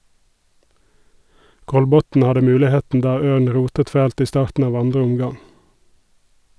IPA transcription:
ˈkɔlbɔtn̩ ˈhɑdə ˈmʉːlɪˌheːtn̩ ˈdɑː ˈøːɳ ˈɹuːtət ˈfæːlt ˈiː ˈstɑːɾtn̩ ˈɑːʋ ˈɑndʁə ˈʊmˌɡɑŋ

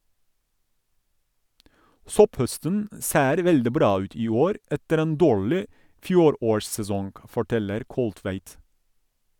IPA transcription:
ˈsɔpˌhœstən ə ˈseːɾ ˈʋɛldɪ ˈbɾɑː ˈʉːt ˈiː ˈoːɾ ˈɛtəɾ ˈeːn ˈdoːɹlɪ ˈfjuːˌɾoːɹssɛˌsɔŋɡ fɔˈʈɛləɾ ˈkɔlˌtʋæɪt

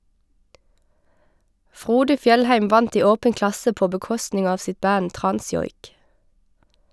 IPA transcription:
ˈfʁuːdə ˈfjɛlhæɪm ˈʋɑnt ˈiː ˈoːbən ˈklɑsə ˈpoː bəˈkɔstnɪŋ ˈɑːʋ ˈsɪt ˈbæn ˈtʁɑnˌsjɔʏk

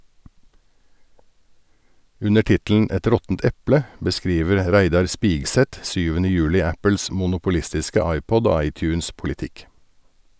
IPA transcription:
ˈʉnə ˈʈɪtl̩n ˈɛt ˈɾɔtn̩t ˈɛplə bəˈskɾiːʋəɾ ˈɾæɪdɑɾ ˈspiːɡsɛt ˈsyːʋənə ˈjʉːlɪ ˈæpl̩s mʊnʊpʊˈlɪstɪskə ˈɑɪˌpɔd ˈoː ˈɑɪˌtjʉːnspʊlɪˌtɪk

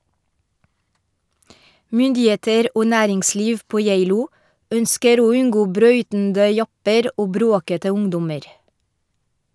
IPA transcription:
ˈmʏndɪˌeːtəɾ ˈoː ˈnæːɾɪŋˌsliːʋ ˈpoː ˈjæɪluː ˈœnskəɾ ˈoː ˈʉnɡoː ˈbɾœʏtndə ˈjɑpəɾ ˈʔoː ˈbɾoːkətə ˈʊŋdʊməɾ

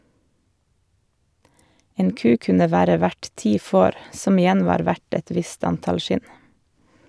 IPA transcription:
ˈeːn ˈkʉː ˈkʉnə ˈʋæːɾə ˈʋæʈ ˈtiː ˈfoːɾ ˈsɔm ɪˈjɛn ˈʋɑːɾ ˈʋæʈ ˈɛt ˈʋɪst ˈɑntɑl ˈʃɪn

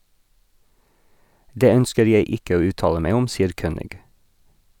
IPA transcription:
ˈdeː ˈœnskəɾ ˈjeɪ ˈɪkə ˈoː ˈʉːˌtɑːlə ˈmeɪ ˈʊm ˈsiːəɾ ˈkøːnɪɡ

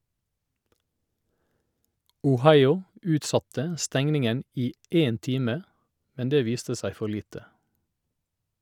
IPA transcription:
ʊˈhɑɪʊ ˈʉːtˌsɑtə ˈstɛŋnɪŋən ˈiː ˈeːn ˈtiːmə ˈmɛn ˈdeː ˈʋiːstə ˈsæɪ ˈfɔɾ ˈliːtə

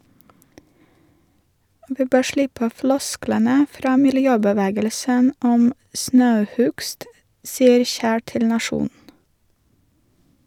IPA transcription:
ˈʋiː ˈbøː ˈʃlɪpə ˈflɔsklənə ˈfɾɑː mɪlˈjøːbəˌʋæːɡəlsən ˈɔm ˈsnɑʉˌhʉɡst ˈsiːəɾ ˈçæː ˈtɪl nɑˈʃuːn

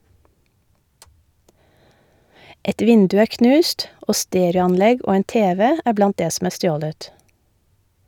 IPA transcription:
ˈɛt ˈʋɪndʉ ˈæː ˈknʉːst ˈʔoː ˈsteːɾɑnˌlɛɡ ˈʔoː ˈeːn ˈteːʋɛ ˈæː ˈblɑnt ˈdeː sm̩ ˈæː ˈstjoːlət

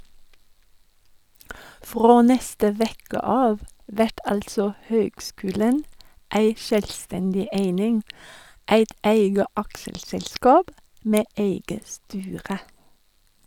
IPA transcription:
ˈfʁoː ˈnɛstə ˈʋeːkə ˈɑːʋ ˈʋɛʈ ˈɑltsɔ ˈhøːɡˌskʉːlən ˈæɪ ˈʃøːlˌstɛndɪ ˈeɪnɪŋ ˈeɪt ˈæɪɡə ˈɑkʃəlsɛlˌskɑːb ˈmeː ˈeɪɡə ˈstyːʁə

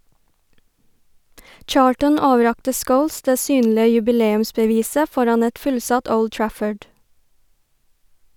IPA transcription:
ˈt͡ʃɑːltən ˈoːʋəˌɾɑktə ˈskəʊls ˈdeː ˈsyːnlɪə jʉbɪˈleːʉmsbəˌʋiːsə ˈfɔɾɑn ˈɛt ˈfʉlˌsɑt ˈəʊd ˈtɹæfəɖ

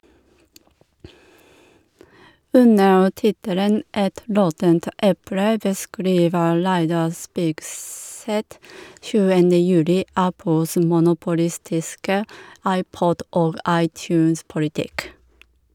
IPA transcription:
ˈʉnəɹ ˈtɪtələn ˈʔɛt ˈɾɔtənt ˈʔɛpɽə bəˈskɾiːʋə ˈɹæɪdɑ ˈspiːkˌsɛt ˈʃʉːənə ˈjʉːlɪ ˈæpl̩s mʊnʊpʊˈlɪstɪskə ˈɑɪˌpɔd ˈʔoːɡ ˈɑɪˌtjʉːnspʊlɪˌtɪk

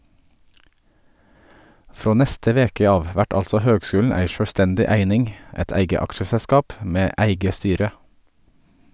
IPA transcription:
ˈfɾoː ˈnɛstə ˈʋeːkə ˈɑːʋ ˈʋæʈ ˈɑlsɔ ˈhøːɡˌskʉːln̩ ˈæɪ ʃœɽʋˈstɛndɪ ˈæɪnɪŋ ˈɛt ˈæɪɡə ˈɑkʃəsɛˌskɑːp ˈmeː ˈæɪɡə ˈstyːɾə

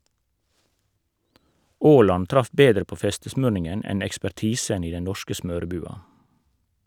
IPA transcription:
ˈoːlɑn ˈtɾɑf ˈbeːdɾə ˈpoː ˈfɛstəsmøːɳɪŋən ˈɛn ɛkspæˈʈiːsən ˈiː ˈdɛn ˈnɔʃkə ˈsmøːɾəˌbʉːɑ

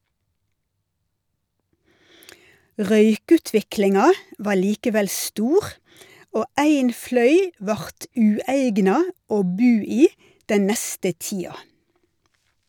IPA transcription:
ˈʁœʏˌkʉːtʋɪklɪŋɑ ˈʋɑː ˈɭiːkəˌʋɛl ˈstuːʁ ˈoː ˈæɪn ˈflœʏ ˈʋɑʁt ˈʉːæɪɡnɑ ˈoː ˈbʉː ˈiː ˈdɛn ˈnɛstə ˈtiːɑ

